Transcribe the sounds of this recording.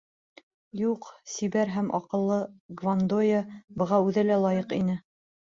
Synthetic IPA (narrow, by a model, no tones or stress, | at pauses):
juqsiβæɾɦæmʔɒ̰qɤ̆lˠːɤɡvand̪ojabɤ̆ʁɑʉðɘlælˠɑjɤqinɘ